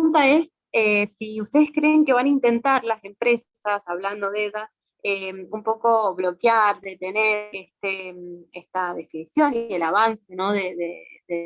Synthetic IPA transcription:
unt̪ae̞s | esiust̪e̞ðehkɾeːŋke̞βanaint̪e̞nt̪aɾlase̞mpɾe̞ssasaβland̪o̞ðeðas | eumpo̞ko̞βlo̞kjaɾðe̞t̪e̞neɾest̪emest̪aðe̞finisjo̞nie̞laβanse̞no̞ðeðḛðe

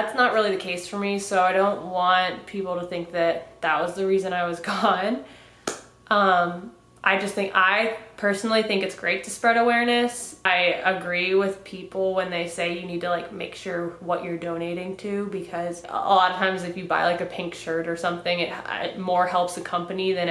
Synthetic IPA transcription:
ðætsnət̚ɹɪlˠiðɨkʰeɪsfə˞misoʊaɪɾõʊ̃nʔwɑ̃npʰipl̩ˠɾəθɪ̃ŋk̚ðɨt̪̚ðət̚wʌzðɨɹizɨ̃ñaɪwʌzɡɔ̃n | ʔʌ̃m | ʔa̰ɪd͡ʒʌst̪̚θɪ̃ŋkaɪpʰɜ˞sn̩l̩ˠiθɪ̃ŋkɨtsɡ̥ɹeɪtʰɨspɹɛɾəwɛɹnɨsaɪəɡɹiwɪð̥pʰipl̩ˠwə̃nðeɪseɪjɨnid̚tʰəlaɪk̚meɪkʃʊɹwʌt͡ʃə˞dõʊ̃neɪɾɪ̃ŋtʰʉbɨkʰʌz̥̰ə̰lɑɾəv̥tʰãɪ̃mzɨfjɨbaɪlaɪkɨpʰɪ̃ŋkʃɜ˞ɾə˞sʌ̃mθɪ̃ŋɨt̚ɪ̰t̚mɔɹhɛlˠpsɨkʰʌ̃mpɨniðɨ̃n

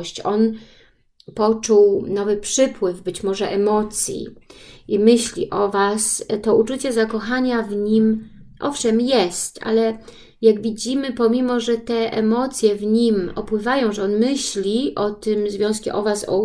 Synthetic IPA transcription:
ɕt͡ɕɔn | pɔt͡ʂuwnɔvɘpʂɘpwɘvbɘt͡ɕmɔʐɛʔɛmɔt̪sʲjḭimɘɕlʲḭʔɔvast̪ɔut͡ʂut͡ɕɛzakɔxaɲavɲimʔɔfʂɛmjɛst̪ʔa̰lɛ | jaɡvʲid͡ʑimɘpɔmʲimɔʐɛt̪ɛʔɛmɔt̪sʲjɛvɲimɔpwɘvajɔ̃w̃ʐɛɔnmɘɕlʲiʔɔt̪ɘmzvʲjɔ̃skʲɛ̰ʔɔvasɔ̰

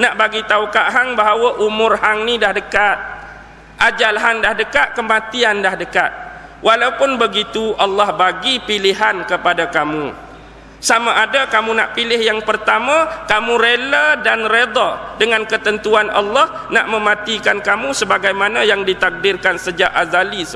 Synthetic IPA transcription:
naʔbaɡit̪aukaʔɦaŋbaɦawaʔumʊrhaŋnidahdəkat̪̚ | ʔad͡ʒalɦandahdəkat̪̚kəmãt̪iandahdəkat̪̚ | wʔalaupʊnbəɡit̪uʔɑlːɑhbaɡipiliɦankəpadakamṵ | samaʔadakamũnaʔpilɪhjaŋpərt̪amãkamũɾelədanred̪ɔdəŋankət̪ənt̪uanɑ̰lːɑh | na̰ʔmə̃mãt̪ikankamũsəbaɡajmanãjaŋdit̪ak̚dɪrkansəd͡ʒa̰ʔazalisə

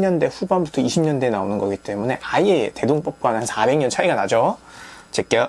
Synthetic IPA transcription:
ɲʌnde̞ɸubanbutʰʌiɕʰimɲʌnde̞naonɯnɡʌɡit͈e̞mune̞ʔaie̞te̞doŋp͈ʌp̚k͈wanansʰabe̞ŋɲʌnt͡ɕʰaiɡanad͡ʑʌt͡ɕek͈jʌ

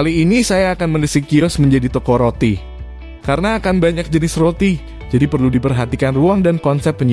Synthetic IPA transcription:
aliːnisajaːkanməndəsikiɔsməɲd͡ʒadit̪okɔɾot̪i | kaɾənaːkanbaɲak̚d͡ʒənɪsrot̪i | d͡ʒadipərludipərɦat̪ikanruaŋdankɔnsɛp̚əɲ

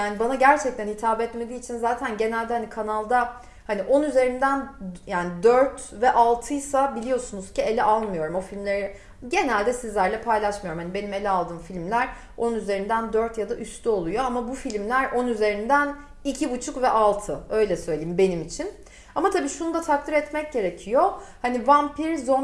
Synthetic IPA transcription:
jaːnibanaɟæɾt͡ʃʰɛc̚t̪ʰænhit̪ʰaːbɛt̪me̞d̪iːt͡ʃʰinzaːt̪ʰænɟe̞nælʲd̪ɛhanikʰanalˠd̪a | haniʔo̞nyze̞ɾind̪ænjaːnid̪øɾt̪vɛʔalˠt̪ʰɯjsabilʲijo̞sunuz̥cie̞lʲɛʔalˠmɯjo̞ɾumo̞filʲmlʲeɾi | ɟe̞nælʲd̪ɛsizlʲæɾlʲɛpʰajlˠaʃmɯjo̞ɾumhanibe̞nime̞lʲɛalˠd̪ɯːmfilʲmlʲæɾ | onunyze̞ɾind̪ænd̪øɾt̪jad̪aʔyst̪ʰyo̞lˠujo̞amabufilʲmlʲæɾʔo̞nyze̞ɾind̪æn | icʰibut͡ʃʰukvɛʔalˠt̪ʰɯø̞jlʲɛsøjlʲejimbe̞nimit͡ʃʰin | amat̪ʰabiːʃunud̪at̪ʰak̚t̪ɯɾɛt̪mɛc̚ɟe̞ɾe̞cʰijohanivampiɾzo

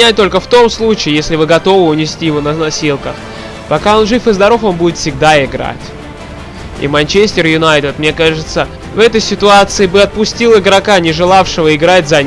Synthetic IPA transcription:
æt̚ʲt̪o̞lʲkəft̪o̞mslˠut͡ɕɪɪjesʲlʲɪvɨɡɐt̪o̞vɨʊnʲɪsʲtʲijɪvo̞nəznɐsʲilˠkəx | pɐkao̞nʐɨfɨzd̪ɐɾo̞fo̞nbudʲɪt̪fsʲɪɡ̚d̪aɪɡɾa̰tʲ | ḭmɐnʲt͡ɕesʲtʲɪrjʊnajt̪ɪt̪mnʲe̞kaʐɨt̪sə | vɛt̪əjsʲɪt̪ʊat̪sɨɪbɨɐt̪̚pʊsʲtʲilˠɪɡɾɐkanʲɪʐɨlˠafʂɨvəɪɡɾatʲzɐ

